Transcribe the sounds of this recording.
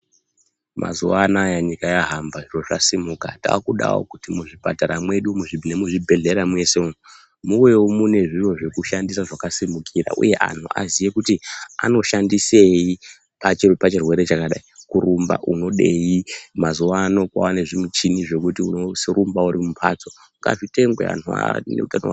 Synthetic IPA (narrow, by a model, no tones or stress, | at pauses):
mʔa̰zuʋanajaɲikajaɦambaʐiro̞ʐasimukata̰ːkuɗa̰wo̰kutimuʐipa̰taɾamwe̞ɗumuʐinemuʐibʱe̞ɮe̞ɾamwe̞seo | muwewomune̞ʐiro̞ʐe̞kuʃandisaʐakasimukʰira̰ʔṵje̞ʔa̰n̤ʰṵa̰zije̞kutia̰no̞ʃandise̞i | pat͡ʃpat͡ʃirwe̞ɾe̞t͡ʃakaɗaikuɾumba̰ʔuno̞ɗe̞jimazuwano̞kwa̰wane̞ʐimut͡ʃiniʐe̞kutiuno̞srumbauɾimupʰaːt͡so̞ | ŋɡa̰ʐite̞ŋɡwḛa̰nua̰neutano̰